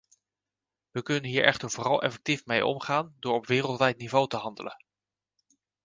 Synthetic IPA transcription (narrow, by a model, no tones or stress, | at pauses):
ʋəkɵnənɦiːɹɛ̰χtəɹv̥ʊːrɑlˠɛ̰fɛk̚tifmejʔɔ̰mχaːndʊːɹɔpʋɪːrəlˠtʋɛjtnivowtəɦɑndələ̰n